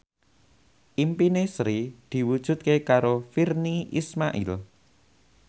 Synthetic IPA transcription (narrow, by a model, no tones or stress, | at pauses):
ʔimpinesɾid̪̥i̤wud̥ʒ̥ṳt̪̚kekaɾofirniʔḭsmaʔḭl